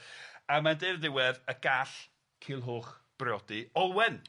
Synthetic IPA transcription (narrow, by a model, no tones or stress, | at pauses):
amandɪrðɪwɛðəɡ̥aɬ | kʰɪlˠɦoːχb̥rɪɔdiɔlˠwɛn